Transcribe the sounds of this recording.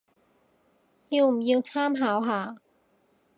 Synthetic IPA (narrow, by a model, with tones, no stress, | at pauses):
ju˥˧˩mji˧ŋt͡ɕʰaː˥˨mɦaː˩˦wɦaː˩˦